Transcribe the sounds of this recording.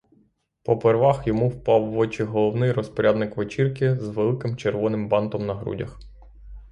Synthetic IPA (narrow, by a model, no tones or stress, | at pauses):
pɔperʋɑxjɔmuwpɑwːɔt͡ʃɪɦɔlˠɔwnɪjrɔspɔɾʲʔad̪nɪkʋet͡ʃirkɪzʋelˠɪkɪmt͡ʃerʋɔnɪmbɑnt̪ɔmnɐɦɾṵdʲɐ̰x